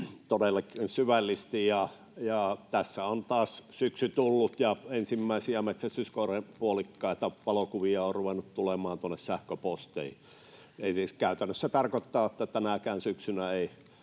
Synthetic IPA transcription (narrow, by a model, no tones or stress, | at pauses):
t̪odelːɑknsyʋælːist̪ijɑ | jɑt̪æsːæont̪ɑːssyksyt̪ulːut̪jɑensimːæˑisiæmet̪sæst̪yskorepuolikːɑˑit̪ɑʋɑlokuʋiɑorruʋenut̪t̪ulemˑɑːnt̪uonːessæhkøpost̪ii | eisiskæˑyt̪ænːøsːæt̪ɑrkot̪ːɑːot̪ːæt̪ænækæːnsyksynæeˑi